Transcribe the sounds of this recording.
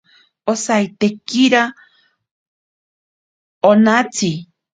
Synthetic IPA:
osajt̪ekiɾa | onat͡sʰi

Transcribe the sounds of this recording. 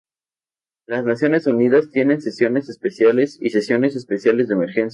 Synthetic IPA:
laznasjo̞ne̞suniðast̪je̞ne̞nse̞sjo̞ne̞sespe̞sjale̞sḭse̞sjo̞ne̞se̞spe̞sjale̞zðeme̞ɾxens

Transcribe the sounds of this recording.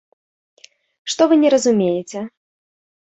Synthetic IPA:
ʂt̪ɔvɨnʲɛɾɐzumʲejɛt͡sʲɛ

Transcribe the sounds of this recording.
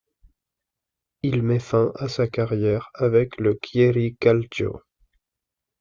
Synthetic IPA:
ilmɛfɛ̃ʔasakaʁjɛʁavɛkləkʲʰjeʁikalt̪o̰

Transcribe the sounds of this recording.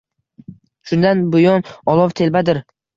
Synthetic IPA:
ʃʊnd̪anbʊjɒnɒlˠɒvt̪ʰe̞lbad̪ɪɾ

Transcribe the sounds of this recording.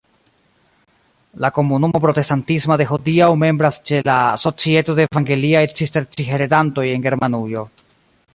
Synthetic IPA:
lako̞munumo̞p̬ɾo̞te̞stantismode̞ɦodiawme̞mbɾast͡ʃe̞laso̞t͡sie̞to̞de̞ːvaŋɡe̞liajt͡ʃisteɾt͡ʃiɦe̞ɾedanto̞je̞nɡe̞ɾmanujo̞

